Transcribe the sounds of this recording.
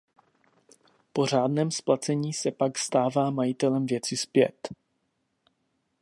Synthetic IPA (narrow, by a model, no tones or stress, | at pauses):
po̞r̝aːdnɛːmsplat͡sɛɲiːsɛpakst̪aːvaːmajɪt̪ɛlɛmvjɛt͡sɪspjɛ̰t̪